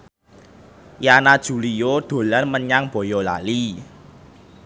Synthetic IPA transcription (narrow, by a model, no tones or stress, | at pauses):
janad̥ʒ̥ṳlijod̪̥o̤lanməɲaŋb̥ɔ̤jɔla̰li